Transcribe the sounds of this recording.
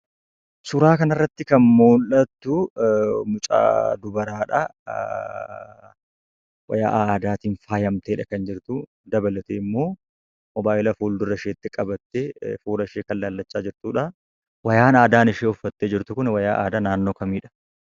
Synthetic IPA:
sʊɾaːkɐnɐrːɐt̪ːɪkɐnmoːlɐt̪ːʊ | mʊt͡ʃʼa̰ːd̪ʊbɐɾaːᶑɐ̰ | wɐ̰ja̰ːʔaːd̪aːt̪iːnfaːjɐmt̪eːᶑɐkɐnd͡ʒɪɾt̪ʊ | d̪ɐbɐlɐt̪eːɪmːo̞ː | mɔbaːʔɪlɐfuːld̪ʊrɐɪʃeːt̪ːɪkʼɐbɐt̪ːeːfuːɾɐʃeːkɐnlaːlːɐt͡ʃʼːaːd͡ʒɪɾt̪uːᶑɐ | wɐjaːnaːd̪aːnɪʃeːʊfːɐt̪ːeːd͡ʒɪɾt̪ʊkʊnɪwɐjaːʔa̰ːd̪aːnaːnːo̞ːkɐmiːᶑɐ̥

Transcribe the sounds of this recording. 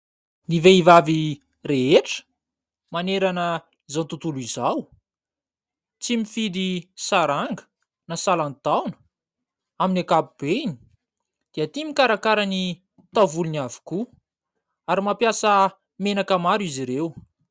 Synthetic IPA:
niveivavi | ɾeɦeʈ͡ʂə̥ | maneɾanə | izawnt̪ut̪ulizaw | t͡simifid̪isaɾaŋɡə̥ | nasalant̪awnə̥ | aminakapub̥eini̥ | d̪̥iat̪imikaɾakaɾani | t̪avuluniavi̥ku | aɾimapjasə | menakamaɾiziɾew

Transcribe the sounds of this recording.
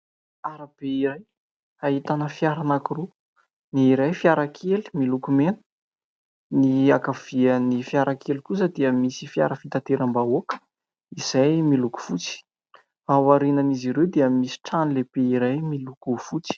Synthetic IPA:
aɾab̥eiɾaj | aɦit̪anəfiaɾanakuru | niːɾajfiaɾakʰeli̥milukumenə̥ | niakav̥iənifiaɾʔakʰelikusəd̪eəmisifia̰ɾəfit̪at̪eɾambaokə̥ | iz̥ajmiluku̥fut͡si̥ | awaɾinaniziɾewd̪eəmisi̥ʈ͡ʂanileb̥eiɾajmilukufut͡si̥

